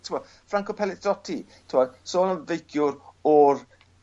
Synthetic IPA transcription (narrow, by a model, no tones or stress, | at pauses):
tʰɪmɔ | fraŋkɔpʰɛlˠɪd̥ɔtʰi | tʰɪmɔdsoːnənvejkʰjʊɾɔr